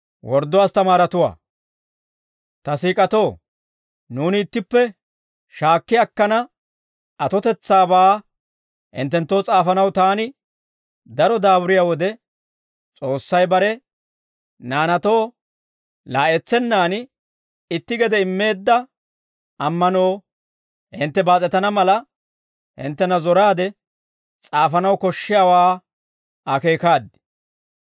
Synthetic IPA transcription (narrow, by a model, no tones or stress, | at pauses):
wɔɾd̪ːɔwaːst̪ɐmaːɾɐt̪ʊwa̰ː | t̪ɐsiːkʼɐt̪o̞ː | nuːnɪːt̪ːɪpːɛ | ʃaːkːɪɐkːɐnɐ | ɐt̪ɔt̪ɛt͡sːaːbaː | ʔɪ̰nt̪ːɛnt̪ːo̞ːt͡sʼaːfɐnɐwt̪aːnɪ | d̪ɐɾɔd̪aːbʊɾɪjaːwɔd̪ɛ | t͡sʼo̞ːsːɐjbɐɾɛ | naːnɐt̪o̞ː | laːʔɛt͡sːɛnːaːn | ɪt̪ːɪɡɛd̪ɛɪmːe̞ːd̪ːɐ | ɐmːɐnoː | hɪnt̪ːɛbaːt͡sʼɛt̪ɐnɐmɐlɐ | hɪ̰nt̪ːɛnɐzɔɾaːd̪ɛ | t͡sʼaːfɐnɐwkɔʃːɪjaːwaː | ɐke̞ːkaːd̪ɪ̥